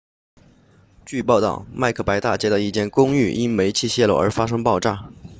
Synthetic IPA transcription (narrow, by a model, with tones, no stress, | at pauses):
t͡ɕy˥˧pɑ˥˧ʊt̪ɑ̰˥˩ʊma˥˧ɪkʰɤ˥˩pa˧˥ɪt̪a˥˩t͡ɕjɛ˥d̪ə˧i˥˩t͡ɕjɛ˥˩nkʊ˥ŋy˥˩ʔi˥nme˧˥ɪt͡ɕʰi˥˧ɕjɛ˥˧lo˥˩ʊə˞˧˥fa˥ʂ̬ɤ˥ŋpɑ˥˧ʊʈ͡ʂa˥˩